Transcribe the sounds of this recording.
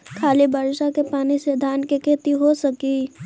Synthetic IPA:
kʰaːlibəɾʃakepaːnised̪ʱaːnkekʰeːt̪iɦosɐki

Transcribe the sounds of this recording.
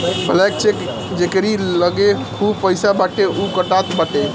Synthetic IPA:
bʱəlɛkt͡ʃʰek | d͡ʒekɾiləɡekʰubpəɪsabaʈʰeukəʈat̪baʈe

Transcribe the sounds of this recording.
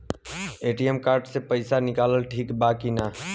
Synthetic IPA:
eʈiemkaɾɖsẽpəɪsanikaləlʈʰikbakina

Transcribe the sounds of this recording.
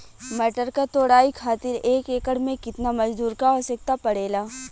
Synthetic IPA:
mɛːʈəɾkat̪oːɽaːikʰaːt̪ɪɾeːkeːkəɽmẽkɪt̪namɐd͡ʒd̪uːɾkaɔsɪk̚t̪apɐɽeːlaː

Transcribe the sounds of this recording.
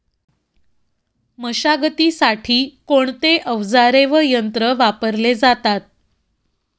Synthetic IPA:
məɕaɡət̪iːsaʈʰiːkoɳt̪eʔəʋd͡zaɾeʋəjənt̪ɾəʋapəɾled͡zat̪at̪̚

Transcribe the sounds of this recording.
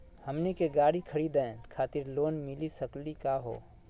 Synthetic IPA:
həmnikeɡaːɽikʰəɽiːd̪ẽkʰaːt̪ɪɾloːnmɪlisəklikaɦo̰ː

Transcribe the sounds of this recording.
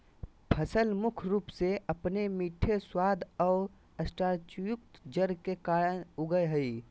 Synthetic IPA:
pʰəsəlmʊkʰɾuːpseəpnemiʈʰeswaːd̪ʱɔːɾ | əsʈaːɾt͡ʃjʊk̚t̪d͡ʒəɾkekaːɾəʊɡəjɦəi

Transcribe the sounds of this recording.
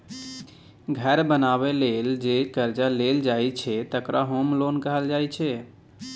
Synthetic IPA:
ɡʱɛɾbənaβeleld͡ʒekəɾd͡ʒaleld͡ʒajt͡ʃʰɛt̪əkɾʔaɦomlonkəɦəld͡ʒajt͡ʃʰɛ

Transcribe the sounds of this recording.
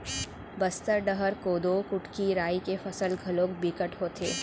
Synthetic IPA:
bɐst̪əɾɖɐɦəɾkoːd̪okʊʈkiɾaːikefɐsəlɡʱɐloːkbiːkəʈɦoːt̪ʰeː

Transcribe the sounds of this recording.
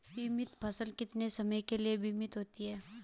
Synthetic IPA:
bimɪt̪pʰɐsəlkɪt̪nesɐməjkelijebʱiːmɪt̪ɦoːt̪iɦɛː

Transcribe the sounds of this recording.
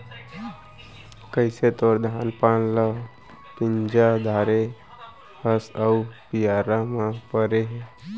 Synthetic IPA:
kəɪset̪oːɾd̪ʱaːnpaːnlə | pɪ̃ɲd͡ʒad̪ʱaːɾe | həsəupijaːɾamãpəɾeɦe

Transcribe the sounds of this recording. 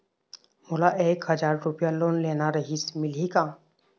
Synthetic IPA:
moːlaʔeːkɦəd͡ʒaːɾːʊpjaloːnleːnaɾɐɦismɪlikaː

